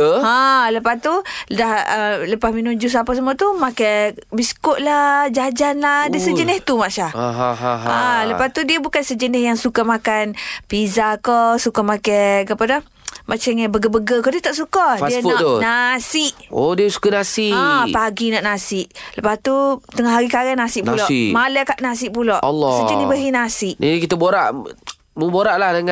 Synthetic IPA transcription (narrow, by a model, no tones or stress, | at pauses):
ãləpast̪udahələpasminũd͡ʒusapas̬əmuat̪umakajbiskoʔlad͡ʒad͡ʒanlahdiəsəd͡ʒənɪht̪umaʔʃah | aləpast̪udiəbukansəd͡ʒənɪhjaŋsukamakanpizakɔsukamakakapadah | mat͡ʃaŋabəɡəbəɡəkɔdiət̪aʔsukadiənnasɪʔodiəsu̥kanasiapaɡinaʔnasɪʔləpast̪ut̪əŋahɦaɾikaɾanasɪʔ̚pnulɔʔmalɛkaʔnas̬ɪʔ̚pulɔʔɔlːɔsəd͡ʒənɪhbəɦinasɪʔinkit̪əboɾaʔ | məboɾaʔlahdəŋa